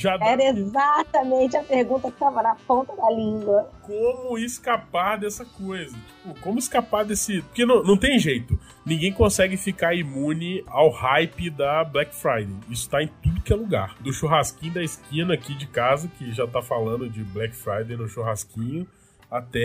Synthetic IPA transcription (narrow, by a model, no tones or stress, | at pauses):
ʒaɛɾɐezat̪ɐmẽnt͡ʃɪɐpeɾɡũnt̪ɐkɪ̥t̪avɐnɐpõnt̪ɐd̪alĩɡwɐkõmʊɪskapaɾd̪ɛsɐkojzɐt͡ʃi̥pʊkõmʊɪskapaɾd̪esɪpoɾkenɐ̃w̃nɐ̃w̃t̪̬ẽj̃ʒejt̪ʊ | nĩɡẽj̃kõsɛɡɪfikaɾimũnɪawhajpɪd̪ɐblɛkfɾajd̪ejisʊ̥t̪aẽt̪ud̪ʊkɪɛluɡa̰ɾd̪ʊʃuɦaskĩɲʊd̪ɐɪskĩnɐːkid͡ʒɪkazɐkɪʒat̪afalɐ̃nd̪ʊd͡ʒɪblɛkfɾajd̪ej̃nʊʃuɦaskĩɲʊ | at̪ɛ